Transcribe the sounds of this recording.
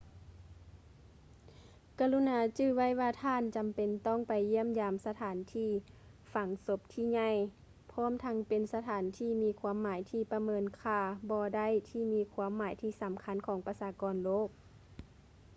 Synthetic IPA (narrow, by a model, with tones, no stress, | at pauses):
ka˧lu˧˥˨naː˨˦t͡ɕɯː˧˩wa˧˥˨jwaː˧˩t̪ʰaː˧˥˨nt͡ɕa˨mpe˨nt̪ɔ˧˥˩ŋpa˨˩jːi˧˥˩əmjaː˧msa˧t̪ʰaː˨˦nt̪ʰiː˧˥˩ | fa˨˦ŋso˧˦p̚t̪ʰiː˧˩ɲa˧˩˨j | pʰɔː˧˥˨mt̪ʰa˧˥ŋpe˨nsa˧t̪ʰaː˨˩˦nt̪ʰiː˧˩miː˧˥˨kʰwuː˧˥ə˨mːaː˩˦jt̪ʰiː˧˩pa˧mɤː˧˥nkʰaː˧˩bɔː˧da˧˥˨jt̪ʰiː˧˩miː˧˥kʰwuː˧˥˨mːaː˨˩˦jt̪ʰiː˧˩sa˨˦mkʰa˧˥nkʰɔː˨˦ŋpa˧saː˧kɔː˧nloː˧˥˨k̚